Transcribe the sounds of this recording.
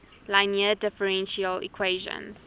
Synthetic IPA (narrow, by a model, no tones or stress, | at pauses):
laɪniədɪfəɹɛ̃nʃiəlḭkʰweɪʒə̰̃nz